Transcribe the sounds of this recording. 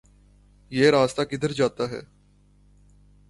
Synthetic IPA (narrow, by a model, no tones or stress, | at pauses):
jeːɾaːst̪aːkɪd̪əɾd͡ʒaːt̪aːɦɛ̰ː